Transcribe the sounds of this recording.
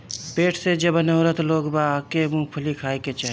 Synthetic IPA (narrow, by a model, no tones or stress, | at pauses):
peːʈʰsed͡ʒəbnəʊɾət̪loːɡbakemũpʰʊlikʰaːeket͡ʃaɦ